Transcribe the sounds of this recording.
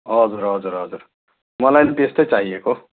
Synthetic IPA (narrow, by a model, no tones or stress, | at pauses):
ʌd͡zuɾʌd͡zuɾɦʌd͡zur | mʌlajnet̪est̪ʌjt͡saɦieko